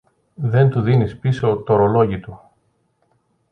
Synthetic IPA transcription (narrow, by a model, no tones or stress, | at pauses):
ðe̞nt̪uðinispiso̞ːt̪o̞ɾo̞lo̞ʝit̪u